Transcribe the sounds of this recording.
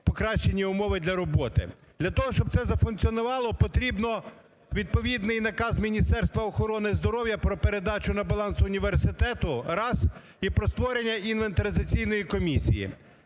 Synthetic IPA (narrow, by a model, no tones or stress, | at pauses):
pɔkɾɑʃt͡ʃenʲiʊmɔʋɪd̪lʲɐɾɔbɔt̪ɪ̰ | d̪̥lʲɐt̪ɔɦɔʃt͡ʃɔb̪̚sɛzɐfʊnkt͡sʲiɔnʊʋɑlˠɔpɔt̪ɾʲibnɔ | ʋʲid̪̚pɔʋʲid̪nɪjnɐkɑzmʲinʲist̪ɛrst̪ʋɐɔxɔɾɔnɪzd̪ɔɾɔwjɐpɾɔpeɾe̞d̪ɑt͡ʃʊnɐbɐlˠɑnsʊʊnʲiʋersɪt̪ɛt̪ʊɾɑs | ipɾɔst̪ʋɔɾenʲːɐinʋent̪ɾɐd̪ɪt͡sʲijnɔjikɔmʲisʲḭjḭ